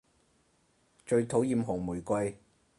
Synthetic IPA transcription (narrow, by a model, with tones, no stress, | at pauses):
t͡ʃɵ˧ɥt̪ʰo˨˥wjiː˨˧mɦʊ˨˩ŋmuː˨˩jkʷɐ˧j